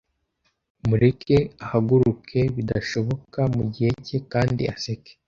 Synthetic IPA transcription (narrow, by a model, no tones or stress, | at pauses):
muɾikeahaɡuɾukʰe̞βidaʃo̞βo̞kamuɟihe̞cekaːndḭaseke̥